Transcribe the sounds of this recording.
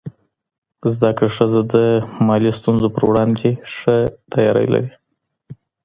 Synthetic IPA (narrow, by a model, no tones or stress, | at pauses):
zd̪akɽaʂəzad̪əmɑlist̪unzopəɾwɽɑnɡ̪eʂət̪ajɑɾa̰jla̰ɾi